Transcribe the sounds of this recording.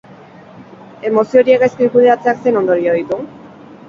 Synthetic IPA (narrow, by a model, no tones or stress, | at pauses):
e̞mo̞sio̞ɾiekaskikuð̞eɾat͡se̞akse̞no̞nd̪o̞ɾioit̪u